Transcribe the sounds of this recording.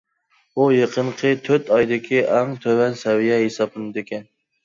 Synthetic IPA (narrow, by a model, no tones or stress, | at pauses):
ujeqʰəɴqʰət̪ʰøɾt̪ʰɑjd̪ɪkʲʰiʔæŋt̪ʰøwɛnsɛvijɛɦesɑbɨnd̪ekʲɛn